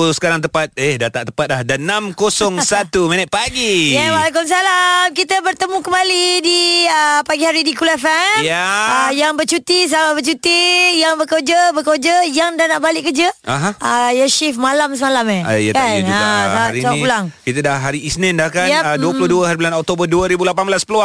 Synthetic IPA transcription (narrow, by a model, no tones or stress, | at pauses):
usə̥kaɾaŋt̪̬əpat̪̚ehdat̪aʔt̪əpat̪̚lahdanːamkosɔŋsat̪uminət̪̚paɡijɛwalak̬ʊms̬alamkit̪əbərt̪əmũkəmbalidiəpaɡihaɾidikulafɛjaajaŋbət͡ʃut̪is̬amabət͡ʃut̪ijaŋbəkod͡ʒəbəkod͡ʒəjaŋdanaʔbalɪʔkəd͡ʒəaɦãajaʃifmalams̬əmalamea̰jakanaaɾit͡ʃaulaŋkit̪ədaɦaɾiːsnindahkanaduəpuloduəhaɾiblanɔk̚t̪obərduəɾibulapanblaspəlua